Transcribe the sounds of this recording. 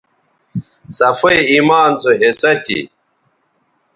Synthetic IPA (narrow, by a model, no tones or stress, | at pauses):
sɐfɐimaːnzoɦesɐt̪ʰḭ